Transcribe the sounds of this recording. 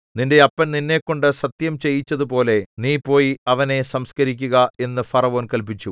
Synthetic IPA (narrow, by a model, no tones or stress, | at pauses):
ninde̞ɐpːɐnninːe̞ːkːo̞ɳɖɨsɐt̪jɐmt͡ɕe̞jːit͡ɕːɐðupo̞ːle̞niːpo̞ːjiɐʋɐne̞sɐmskɐɾikʲːuɣɐe̞nːɨfɐrɐʋoːnkɐlp̬it͡ɕːu